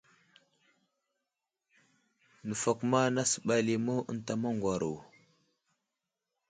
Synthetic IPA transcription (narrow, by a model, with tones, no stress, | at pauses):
nə˨fa˨kma˦na˦sə̥˨ɓa˨li˨mo˦ə̰˨n˦ta˨ma˦ŋɡwa˨ɾo˨